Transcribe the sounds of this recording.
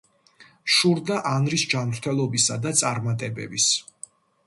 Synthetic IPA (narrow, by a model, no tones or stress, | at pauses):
ʃuɾd̪aʔanɾisd͡ʒamɾt̪ʰɛlˠɔbisad̪at̪sʼaɾmat̪ʼɛbɛ̰bis